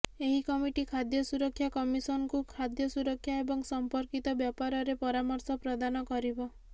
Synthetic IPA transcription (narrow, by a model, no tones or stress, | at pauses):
eɦikɔmiʈikʰad̪jɔsuɾɔkʰːjakɔmisɔnɔkukʰad̪jɔsuɾɔkʰːjaebɔŋsɔmpɔɾkit̪ɔbjɔpaɾɔɾepɔɾamɔɾsɔpɾɔd̪anɔkɔɾibɔ